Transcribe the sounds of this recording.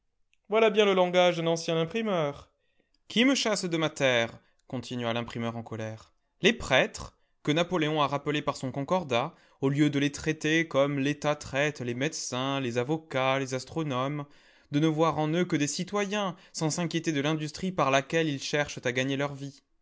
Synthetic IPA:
vwalabjɛ̃ləlɑ̃ɡaʒd̪ɛ̃nɑ̃sjɛ̃nɛ̃pχimœːʁ | kʰʲiməʃasd̪əmat̪ɛʁ | kɔ̃t̪ʰinɥalɛ̃pχimœʁɑ̃kɔlɛʁ | lepχɛt̪χə | kənapɔleɔ̃aʁapəlepaʁsɔ̃kɔ̃kɔʁd̪a | oljød̪əlet̪χɛt̪ekɔmlet̪at̪χɛt̪lemɛd̪sɛ̃lezavɔkalezast̪χɔnɔm | d̪ənəvwaʁɑ̃nøkəd̪esit̪wajɛ̃sɑ̃sɛ̃kʲjet̪ed̪əlɛ̃d̪yst̪χipaʁlakʲɛlilʃɛʁʃt̪aɡaɲelœʁvi

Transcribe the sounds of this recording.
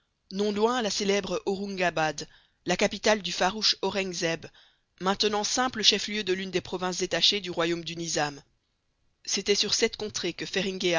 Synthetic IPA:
nɔ̃lwɛ̃laselɛbʁɔʁũŋɡabad̪ | lakapit̪ald̪yfaʁuʃɔʁɛŋzɛb | mɛ̃t̪ənɑ̃sɛ̃pləʃɛfljød̪əlynd̪epχɔvɛ̃s̬d̪et̪aʃed̪yʁwajomd̪ynizam | set̪ɛsyʁsɛt̪kɔ̃t̪χekəfɛʁĩɡʲe

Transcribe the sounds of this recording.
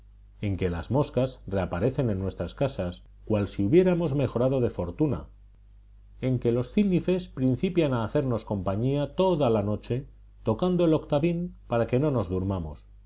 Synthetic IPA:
e̞ŋke̞lazmo̞skasre̞apaɾe̞θe̞nẽ̞nːwe̞st̪ɾaskasas | kwalsiuβje̞ɾamo̞zme̞xo̞ɾað̞o̞ð̞e̞fo̞ɾt̪una̰ | e̞ŋke̞lo̞sθilnife̞spɾin̟θipjanaːθe̞ɾno̞sko̞mpaɲiat̪o̞ðalano̞t͡ʃe̞ | t̪o̞kand̪oelo̞kt̪aβimpaɾake̞no̞no̞zðuɾmamo̞̰s

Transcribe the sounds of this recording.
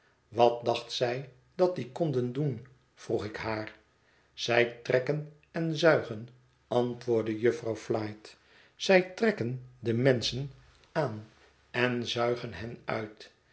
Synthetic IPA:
ʋɑt̚dɑχtsɛj | dɑt̚d̪ikɔndəndun | v̥ruχɪkɦaːr | z̥ɛjtrɛkən | ɛnzœɥχən | ɑntʋʊːɹdəjɵfrɑwflɑjt | z̥ɛjtrɛkəndəmɛnsən | aːn | ɛnzœɥχənɦɛnœ̰ɥt

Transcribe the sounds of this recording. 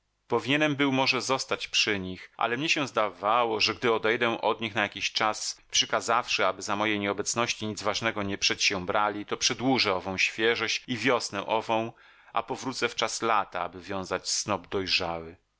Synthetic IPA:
pɔvʲiɲɛnɛmbɘwmɔʐɛzɔst̪at͡ɕpʂɘɲixʔa̰lɛmɲɛɕɛ̃zd̪avawɔʐɛɡd̪ɘɔd̪ɛjd̪ɛ̃ʔɔd̪ɲixnajakʲiɕt͡ʂaspʂɛkazafʂɛabɘzamɔjejɲɛɔbɛt̪snɔɕt͡ɕiɲid̪zvaʐnɛɡɔɲɛpʂɛt͡ɕɕɛ̃bɾalʲit̪ɔpʂɛd̪wuʐɛɔvɔ̃w̃ɕfʲjɛʐɔɕt͡ɕivʲjɔsnɛʔɔvɔ̃w̃ | ʔa̰pɔvɾut̪sɛft͡ʂaslat̪a̰a̰bɘvʲjɔ̃w̃zat͡ɕsnɔb̚d̪ɔjʐawɘ

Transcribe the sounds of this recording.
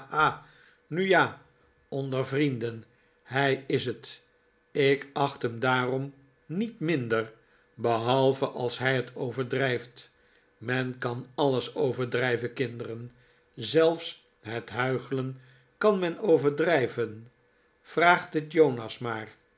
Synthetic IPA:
haː | nyjaː | ɔndərvrindən | ɦɛjɪsət | ɪkɑχtɦəmdaːrɔm | nitmɪndər | bəɦɑlˠvəʔɑlˠsɦɛjətʰowvəɹdrɛjft | mɛnkɑnɑləsowvəɹdrɛjvəkɪndərən | zɛlˠfs | ɦətɦœɥχələn | kɑnmɛnowvəɹdrɛjvən | v̥raːχtɪtjownɑsmaːr

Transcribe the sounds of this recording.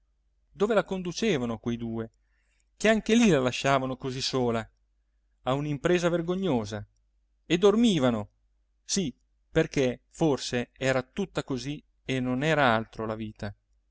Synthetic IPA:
d̪oːvelakond̪ut͡ʃeːvanoakwejd̪uːe | keaŋkelilalaʃːaːvanokozisoːlaː | unimpɾeːzaverɡoɲːoːza | ed̪ːormiːvano | si | perkeforseɛːɾat̪ut̪ːakozi | enːonɛːɾaalt̪ɾolaviːt̪a

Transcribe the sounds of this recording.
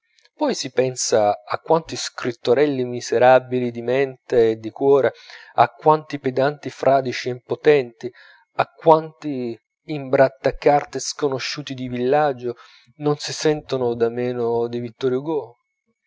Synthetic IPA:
pɔjsipɛnsaa̰kːwant̪iskɾit̪ːoɾɛlːimizeɾabilid̪imɛnt̪eːd̪ːikwɔːɾaa̰kːwant̪iped̪ant̪ifɾʔaːd̪it͡ʃiempot̪ɛnt̪i | akːwant̪iː | mbɾat̪ːakːart̪eskonoʃːuːt̪id̪ivilːad͡ʒːo | nonsisɛnt̪onʊd̪amɛːnʊd̪ivit̪ːɔɾjuɡo

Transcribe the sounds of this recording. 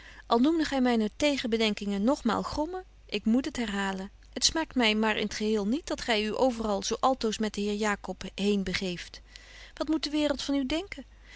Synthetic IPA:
ʔɑlˠnumdəχɛjmɛjnətejχənbədɛŋkɪŋənːɔχma̰ːlˠχrɔmə | ʔɪkmutɦətɦɛrɦaːlən | ətsmaːktmɛjmaːɹʔɪ̰nətχəɦɪːlˠnit̚dɑtχɛjyʔowvərɑlˠzowʔɑlˠtowsmɛt̚dəɦɪːɹjaːkɔpɦejnbəχejft | ʋɑtmut̚dəʋɪːɾəlˠtfɑnydɛŋkə

